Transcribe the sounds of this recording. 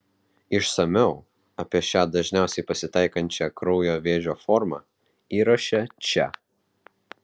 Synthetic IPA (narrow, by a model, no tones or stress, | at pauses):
ɪʃsɐmʲɛʊ | ɐpʲiɛʃʲæːd̪ɐʒʲnʲæˑʊsʲɛɪpɐsʲɪt̪ɐɪkɐnʲt͡ʃʲɛkɾɔʊjoːʋʲeːʒʲoːfɔɾmɑ̰ː | iːɾɐʃʲɛt͡ʃʲɛ̰